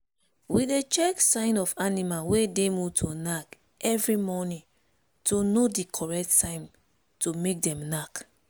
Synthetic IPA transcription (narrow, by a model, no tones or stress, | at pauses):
widet͡ʃɛksãɪ̃nɔfanimalwedemuvtʰonak | ʔɛvɹimɔnĩ | tonodikʰɔɹɛk̚tːãɪ̃m | tomek̚dɛ̃mnak